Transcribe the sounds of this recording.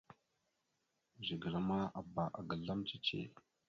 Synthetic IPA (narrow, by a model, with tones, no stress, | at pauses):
ʒi˨ɡə˨ɾa˦ma˦a˨ba˨ʔa˨ɡa˨ɮa˦mt͡ʃi˦t͡ʃḛ˨